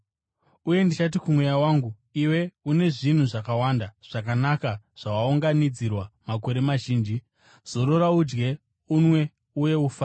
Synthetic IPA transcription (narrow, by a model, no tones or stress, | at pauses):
uje̞ndit͡ʃat̬ikumwe̞jawaːŋɡu | iwe̞une̞ʐin̤uʐakawandaʐ̥akanakaʐ̥awauŋɡanid͡zirwamako̞ɾe̞maʒiːnd͡ʒi | z̥o̞ɾo̞raud͡ʒɡe̞ | unwe̞ | uje̞ufaː